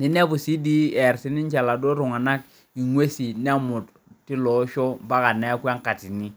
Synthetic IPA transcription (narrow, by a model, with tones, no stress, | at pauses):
ni˦nɛ˦bu˨si˦di˦ɛ˨ɾsi˦nɪ˦nt͡ʃa˨la˨do˦ɾʊ˨ŋa˨na˦k̚ | i˨ŋwe˦si˨nɛ˦mʊ˨t | ti˦lɔ˨˦ʃɔ˦mba˦ka˨nɛ˦kwa˦ŋ˦ka˨ti˨ni˦